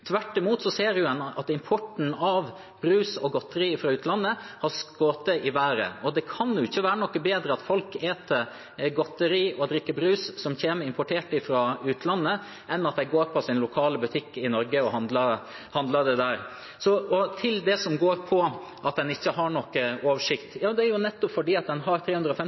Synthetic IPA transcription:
t̪ʰʋæʈːɪmuːt̪sɔseːɾʊɛnɑ̰t̪ɪmpʰɔʈn̩ɑʋ | bɾʉːsɔɡɔt̪ːəɾiːɪfɾɑːʉːt̪lɑnːəhɑɾskoːt̪əɪʋæːɾə̰ɔd̪ɛkʰɑnjʊɪçːəʋæːɾənɔkːəbeːd̪ɾəɑt̪fɔlkeːt̪ə | ɡɔt̪ːəɾiːʔɔd̪ɾɪkːəbɾʉːssɔmçeːnəɾɪmpʰɔʈʰeːʈɪfɾɑːʉːt̪lɑnːə | ʔɛnːɑt̪̚d̪ɛɪɡoːɾpʰɔsɪnlʊkʰɑːləbʉt̪ʰɪkːɪnɔɾɡəɔhɑnd̪lɑ | hɑnd̪lɑɖ̪ɛd̪æːɾ | sɔɔt̪ʰɪld̪ɛsɔmɡoːɾpʰɔ | ʔɑt̪̚d̪ɛnɪçːəɦɑɳɔkːəoːʋəʂɪkt̪jɑːd̪ɛæɾjʊnɛt̪ːɔpfɔɖiːɑt̪̚d̪ɛnɦɑɾt̪ʰɾeːʉnd̪ɾəɔːfɛm

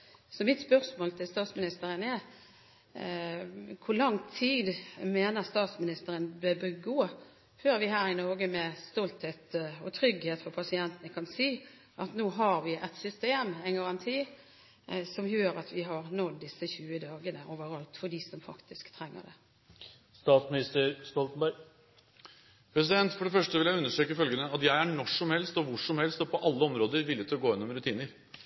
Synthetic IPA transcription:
sɔmɪt̪spœʁsmoːlt̪ʰɪlst̪ɑːt̪smɪnɪst̪əɾənɛ | kʰʊlɑŋt̪ʰiːd̪meːnəʁst̪ɑːt̪smɪnɪst̪əɾənbəbəɡoː | føːɾʋɪhæːɾɪnoːɡəmɛst̪ɔlt̪heːt̪ɔt̪ʰɾʏɡheːt̪fɔʁpʰɑsɪɛnt̪ənəkʰɑnsiː | ʔɑt̪noːɦɑɾʋɪʔɛt̪sʏst̪eːmæɪnɡɑʁɑnt̪ʰiː | sɔmjøːɾɑt̪ʋɪɦɑɾnɔd̪ːɪsːəçʉːəd̪ɑːɡənəʔoːʋəɾɑlt̪fɔɖɪsɔmfɑ̰kt̪ɪskt̪ʰɾɛŋːə̰ɖɛ̰ | st̪ɑːt̪smɪnɪst̪əɾst̪ɔlt̪n̩bæɾɡ | pʰɾɛs̬ɪd̪ɛnt̪fɔɖɛfœʂʈəʋɪljæɪʉnːəʂʈøːkəfœlɡənəɑt̪jæɪæɳɔʂɔmhɛlst̪ɔʋʊʂɔmhɛlst̪ɔpʰɔʔɑlːəɔmɾoːd̪əɾʋɪlːɪət̪ʰɪlɔɡoːɪnːʊmɾʉt̪ʰiːnəɾ

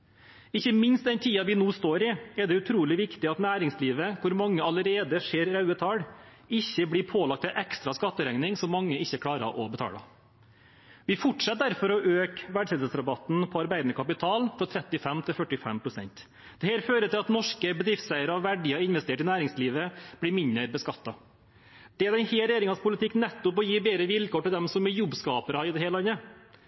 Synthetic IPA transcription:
ɪçːəmɪnst̪d̪ɛnt̪ʰiːɑʋɪnuːst̪oːɾɪɛɖɛʉt̪ʰɾuːlɪʋɪkt̪ɪɑt̪næːɾɪŋsliːʋəkʰʊɾmɑŋːəɑləɾeːd̪əʂeːɾɾɑʉət̪ʰɑːɽ | ɪçːəbɽɪːpʰoːlɑk̚t̪ɛʔɛkst̪ɾɑskɑt̪ːəɾɛŋnɪŋsɔmːɑŋːəɪçːəkʰlɽɑːɾə̰ʔɔbət̪ʰɑ̰ːlɑ̰ | ʋɪfʊʈʂɛt̪̚d̪æɾfɔɾɔʔøːkʋæɖsɛəsɾɑbɑt̪n̩pʰɔɑɾbæɪd̪ənəkʰɑpɪt̪ʰɑːlfɾɔt̪ʰɾɛt̪ːɪfɛmt̪ʰɪlfœʈːɪfɛ̰mpʰɾʊsɛ̰nt̪ | d̪̥ɛheːɾføːɾət̪ɪlɑt̪nɔʂkəbəd̪ɾɪft̪sæɪəɾɔʋæɖɪɑɪnʋɛst̪eːʈɪnæːɾɪŋsliːʋəb̥lɪɾmɪnəɾbəskɑt̪ːɑ | d̪̥ɛɛd̪ɛnheːɾɛjeːɾɪŋɑnspʰʊlɪt̪ʰɪkːnɛt̪ːʊpɔjiːbeːɾəʋɪlkʰoːʈɪld̪ɛmsɔmɛjɔbːskɑːpəɾəhɑɾɪd̪ɛheːlɑnːə

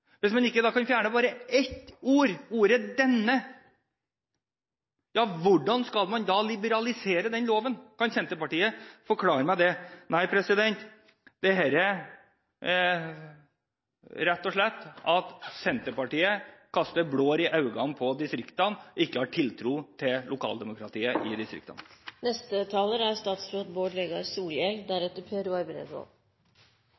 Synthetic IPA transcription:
ʋɪsmɑnɪkːəd̪ɑːkʰɑnfjæːɳəbɑːɾəɛt̪ːuːɾuːɾəd̪ɛnːə | jɑːʋʊɖɑnskɑlmɑnd̪ɑlɪbəɾɑlɪseːɾəd̪ɛnloːʋənkʰɑnsɛnt̪əɾpɑʈiːəfɔɾkʰlɑːɾəmæɪd̪ɛnæɪpʰɾɛsɪd̪ɛnt̪ | d̪̥ɛɦɛːɾə | ɾɛt̪ːɔʂɭɛt̪ːɑt̪sɛnt̪əpɑʈiːəkʰɑst̪əbɽoːɾɪʔɑʉɡɑnpʰɔd̪ɪst̪ɾɪkt̪ɑnɪkːəhɑʈʰɪlt̪ʰɾuːt̪ʰɪllʔʊkʰɑ̰ːld̪ɛmʊkɾɑt̪ʰiːəʔɪd̪ɪst̪ɾɪ̰kt̪ɑ̰nnɛst̪ət̪ʰɑːləɾæɾst̪ɑːt̪sɾoːt̪̚boːɖleɡɑɾsuːljɛɡd̪æɾɛt̪ːəɾpʰeːɾuɑɾbɾḛd̪o̰

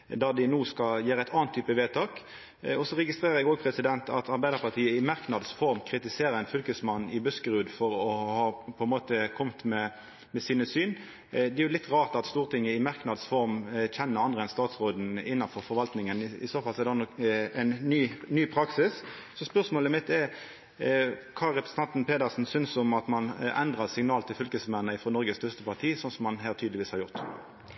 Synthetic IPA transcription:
d̪æʁd̪ɪnuːskɑljæːɾəæɪt̪ʰɑːnt̪ʰːyːpəʋeːt̪ʰɑːk | ɔsɔʁɛɡɪst̪ɾeːʁəɾjɛɡoːɡpʰʁɛsɪd̪ɛnt̪ɑt̪ʰɑɾbæɪd̪əɾpɑʁt̪ʰiːəɪmɑʁknɑd̪sfɔɾmkʰɾɪt̪ɪseːɾəɾæɪnfʏlkəsmɑnːɪbœskəɾʉːd̪fɔɾɔhɑːpʰɔɛnmoːt̪əkʰɔmt̪mɛ | mɛsiːnəsyːn | d̪ɛæɾjʊlɪt̪ːʁɑːʁt̪ɑt̪st̪uːʁt̪ʰɪŋːəɪmɑʁknɑd̪sfɔɾmçɛnːəɾɑnd̪ʁəɛnst̪ɑːt̪sʁoːd̪n̩ɪnːɑnfɔɾfɔɾʋɑlt̪nɪŋənɪ̰soːfɑlsɔɛd̪ɑnɔkɛnːyːnyːpʰɾɑksɪs | sɔspœʁsmoːləmɪt̪ːɛɾ | kʰɑːɾɛpɾəsə̥n̩t̪ɛnt̪n̩peːd̪əʁsn̩sʏnsɔmɑt̪mɑnɛ̰nd̪ʁɑʁsɪŋnɑːlt̪ʰɪlfʏlkəsmɛnːəɪfɾoːnɔɾɡəst̪œst̪əpɑʁt̪ʰiːsɔnsɔmːɑnɦæːʁt̪ʰyːd̪lɪʋiːshɑɾjʊʁt̪

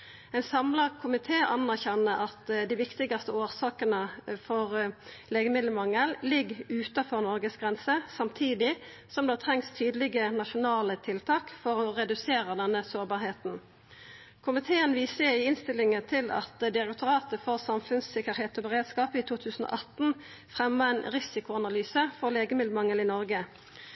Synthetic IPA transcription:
ɛɪnsɑmləʁkʰʊmɪt̪ʰeːʔɑnæʁçɛnːəʔɑt̪d̪ɪʋɪkt̪ɪɡɑst̪əoːʁsɑːkənəfɔʁleːɡəmɪd̪ləmɑŋːəllɪɡʉːt̪ɑfɔʁnɔʁɡəsɡʁɛnsəsɑmt̪ʰiːd̪ɪ | sɔmd̪ɑɑt̪ʰʁɛŋst̪ʰyːd̪əlɪɡənɑʃʊnɑːlət̪ʰɪlt̪ʰɑːkfɔʁɔʁɛd̪ʉseːʁəd̪ɛnːəsoːʁbɑːʁheːt̪n̩ | kʰʊmɪt̪ʰeːənʋiːsəɪɪnst̪ɪlːɪŋət̪ʰɪlɑ̰t̪d̪ɪʁɛkt̪ʊʁɑːt̪əfɔʁsɑmfʉnsɪkəʁheːt̪ɔːbəʁeːd̪skɑːpiːt̪ʰuːt̪ʰʉːsn̩o̰ʔɑt̪n̩ | fʁɛmːəɛnʁɪsɪkʊɑnɑlyːsəfɔʁleːɡəmɪd̪ləmɑŋːəlɪnɔʁɡə

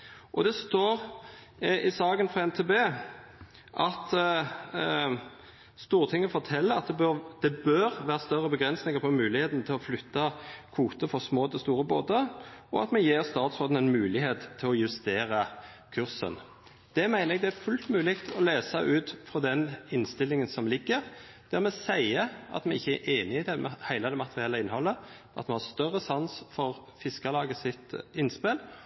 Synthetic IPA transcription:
ʔɔd̪ɛst̪oːʁ | ɪsɑːɡənfʁɑɛnt̪ʰebeː | ʔɑt̪ | st̪uːɾt̪ʰɪŋːəfɔt̪ʰɛlːəɾɑt̪̚d̪ɛbd̪̥ɛbœɾʋæːɾəst̪œʁːəbəɡʁɛnsnɪŋəɾpʰɔmʉːlɪheːt̪nt̪ʰɪlɔflʏt̪ːɑkʰuːt̪əfɔsmoːt̪ʰɛst̪uːɾəboːd̪əɔɑ̰t̪mɛjeːɾst̪ɑːt̪sʁoːd̪n̩ɛnmʉːlɪheːt̪ʰːɪlɔjʉst̪eːɾɑ | kʰʉʁsə̰n | d̪̥ɛmæɪnəɾɛɡ̚d̪ɛæɾfʉlt̪mʉːlɪkt̪ʰɔleːsɑʔʉːt̪fɾɔd̪ɛnɪnst̪ɪlːɪŋənsɔmlɪɡːəʁ | d̪̥æʁmɛsæɪəʔɑ̰t̪mɛɪçːəæʔeːnɪɪd̪ɛhæɪlɑd̪ɛmɑt̪əʁɪɛlːəɪnhɔlːə | ʔɑt̪mɛnhɑːst̪œʁːəsɑnsfɔʁfɪskɑlɑːɡəsɪt̪ɪnspɪl

